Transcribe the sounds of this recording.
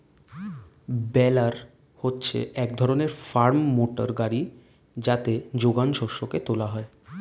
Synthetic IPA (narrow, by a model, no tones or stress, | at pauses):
bɛlaɾ | hotːɕʰḛʔɛkd̪ʱɔɾoneɾfaɾmːoʈaɾɡaɾi | d͡ʑat̪ed͡ʑoɡanʃoɾʃoket̪olaɦɔe